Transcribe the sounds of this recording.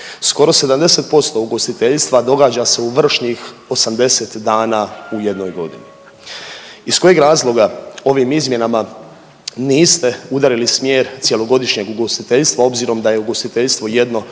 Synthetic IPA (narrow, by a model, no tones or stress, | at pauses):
sko̞ɾo̞se̞d̪amd̪e̞set̪̚po̞st̪o̞uɡo̞st̪it̪eʎst̪ʋad̪o̞ɡaːd͡ʑaseuʋr̩ʃɲixo̞samd̪e̞set̪d̪aːnauje̞d̪no̞jɡo̞̰d̪ḭni | isko̞jeɡɾaːzlˠo̞ɡao̞ʋimizmje̞nama | niːst̪e̞ud̪aɾilismjeːɾt̪sje̞lo̞ɡo̞d̪iʃɲeɡuɡo̞st̪it̪eʎst̪ʋao̞bziːɾo̞md̪aje̞uɡo̞st̪it̪eʎst̪ʋo̞je̞d̪no̞